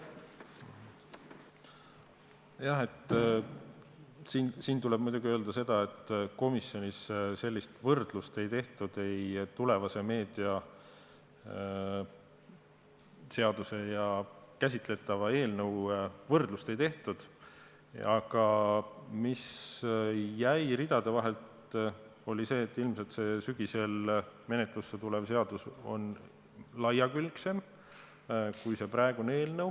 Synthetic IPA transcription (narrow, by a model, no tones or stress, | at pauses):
jɑhe̞t̪ːˑ | siːnsiːnt̪ule̞b̥̚mujd̪uɡiø̞ːld̪̥ɑse̞d̪̥ɑe̞t̪ːˑko̞misjo̞nisse̞lʲːist̪vɤrd̪̥lust̪e̞jt̪e̞ht̪ud̪̥e̞jt̪ule̞vɑse̞me̞ːd̪̥iɑ | se̞ɑd̪̥use̞jɑkæsʲit̪ˑle̞t̪ːˑɑvɑe̞ːlnɤwvɤrd̪̥lust̪e̞jt̪e̞ht̪ud̪̥ | ɑɡ̥ɑ | mis | jæjɾid̪̥ɑd̪̥e̞vɑɦe̞lt̪ | o̞lʲise̞ːt̪ːˑilmselt̪se̞syɡ̥ise̞lme̞net̪ˑlusːet̪ulevse̞ɑd̪̥uso̞̰n | lɑjɑkylkse̞m | kujse̞pɾɑeɡ̥unee̞ːlnɤw